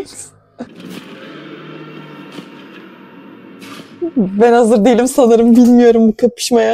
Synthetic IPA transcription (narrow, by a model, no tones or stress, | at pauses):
bænhazɯɾd̪e̞jilʲimsanɯɾɯmbilʲmijo̞ɾumbukʰapʰɯ̥ʃmaja